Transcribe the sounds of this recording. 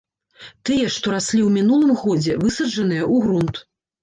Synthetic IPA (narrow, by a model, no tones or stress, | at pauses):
t̪ɨjɐʂt̪ɔɾasʲlʲiwmʲinulˠɨmɣɔd͡zʲɛvɨsɐd͡ʐɐnɨjɐʔuɣɾunt̪